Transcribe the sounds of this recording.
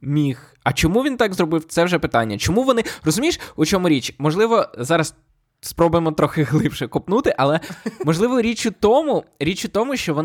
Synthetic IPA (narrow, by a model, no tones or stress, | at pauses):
mʲix | ɐt͡ʃɔmuʋʲint̪ɑɡzrɔbɪwt̪sɛʋʒɛpɪt̪ɑnʲːɐt͡ʃɔmuʋɔnɪrɔzʊmʲijʃʊt͡ʃɔmʊɾʲit͡ʃmɔʒlˠɪʋɔzɑɾɐs | spɾɔbʊjemɔt̪ɾɔxɪɦlˠɪpʃɛkɔpnut̪ɪʔɐlˠɛmɔʒlˠɪʋɔɾʲit͡ʃʊt̪ɔmʊɾʲit͡ʃʊt̪ɔmʊʃt͡ʃɔʋɔn